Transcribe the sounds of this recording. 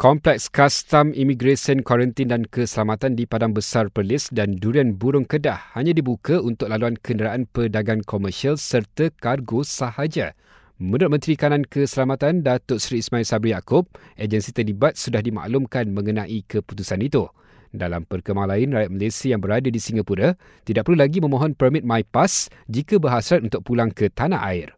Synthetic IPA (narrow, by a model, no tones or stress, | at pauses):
kɔmplɛkskast̪amimĩɡɾesiənkwaɾənt̪indankəsəlamat̪andipadaŋbəsarpəlɪsdanduɾianbuɾʊŋkədahhaɲãdibukaunt̪ʊk̚laluankəndəɾaʔanpədaɡankʰɔmərʃialsərt̪əkarɡosahad͡ʒa | mə̃nʊt̪̚mə̃nt̪ɾikanãnkəsəlamat̪andat̪ʊʔsɾiːsmãilsabɾihjakʊb̚ʔed͡ʒənsit̪ərlibat̪̚sudahdima̰ʔlʊmkanmə̃ŋənãʔikəput̪usanit̪u | dalampərkəmaŋlaɪnrajat̪̚məlesiajaŋbəɾadadisiŋɡapuɾa | t̪idaʔ̚pərlulaɡimə̃mɔ̃ɦɔnpərmit̪̚majpas | d͡ʒikabəɦaslat̪̚unt̪ʊk̚pulaŋkət̪ana̰ʔa̰ɪr